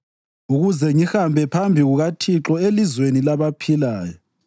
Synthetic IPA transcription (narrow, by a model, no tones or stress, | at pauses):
uɣuzɛŋihambʱɛpʰambʱiɣuɣatʰiǁɔelizwenilaβapʰilaːjɔ